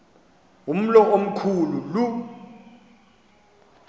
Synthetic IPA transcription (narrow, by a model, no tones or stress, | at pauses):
um̩lɔom̩kʰululu